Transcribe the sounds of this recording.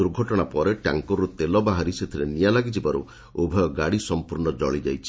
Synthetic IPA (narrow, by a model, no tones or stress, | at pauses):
uɾɡʱɔʈɔɽ̃apɔɾeʈa̰ŋkɔɾut̪elɔbaɦaɾiset̪ʰiɾenijalaɡid͡ʒibaɾṵ | ubʱɔjɔɡaɽisɔmpuɾnɔd͡ʒɔɭid͡ʒajt͡ʃʰi̥